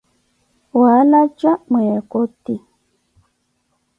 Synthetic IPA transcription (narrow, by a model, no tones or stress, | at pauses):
walad͡ʒamekoti